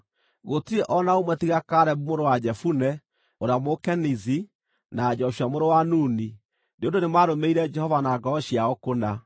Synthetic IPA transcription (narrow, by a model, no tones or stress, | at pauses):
ɣotiɛʔɔnaomwɛtiɣakaɾɛβumoɾowad͡ʒɛfunɛ | oɾamokɛnizi | nad͡ʒɔʃiamoɾowanuːni | neondonemaɾomeiɾɛd͡ʒɛhɔvanaɡɔɔɕiaɔkona